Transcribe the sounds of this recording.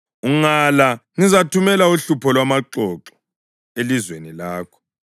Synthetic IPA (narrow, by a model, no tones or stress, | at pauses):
uŋalaŋizatʰumɛlauɬupʰɔlwamaǃɔǁɔ̥ | elizwenilaːkʰɔ̥